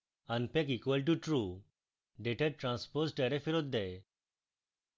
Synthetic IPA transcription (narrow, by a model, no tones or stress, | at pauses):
ãnpekikʋəlʈ̬uʈɾu | ɖeʈeɾʈɾãnspozʈɛɾefiɾot̪̚d̪e